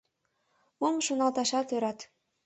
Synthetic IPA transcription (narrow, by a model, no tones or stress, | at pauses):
momʃunɑlˠt̪ɑʃɑt̪øɾɑt̪